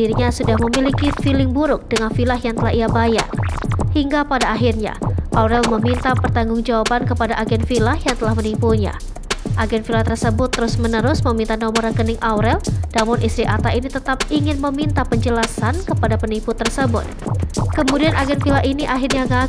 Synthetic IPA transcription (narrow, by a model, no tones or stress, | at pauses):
iɾiɲasudahməmilikifilɪŋbuɾʊk̚d̥əŋanfilaɦjaŋt̪əlaɦiabaja̰rhiŋɡapadaːɦirɲa̰ʔauɾɛlməmint̪apərt̪aŋɡʊŋd͡ʒawabankəpadaʔaɡɛnfilahjaŋt̪əlahmənimpuɲa̰ | ʔaɡɛnt̪filaht̪ərsəbʊt̪ːəɾʊsmənəɾʊsməmint̪anomɔɾəkənɪŋʔawɾɛld̥amʊnʔist̪ɾiʔat̪ainit̪ət̪ap̚iŋɪnməmint̪apəɲd͡ʒəlasankəpadapənimput̪ːərsəbʊ̰t̪̚kəmudianʔaɡɛnfilaɦiniʔaɦirɲaɡa